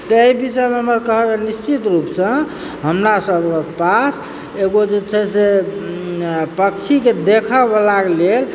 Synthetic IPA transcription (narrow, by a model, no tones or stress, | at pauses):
t̪əeibisemeɦəməɾkəɦəkenist͡ʃit̪ɾupsə̃ | ɦəmɾasəbkepas | eɡod͡ʒet͡ʃʰɛse | pəkt͡ʃʰiked̪ekʰəbəlaklel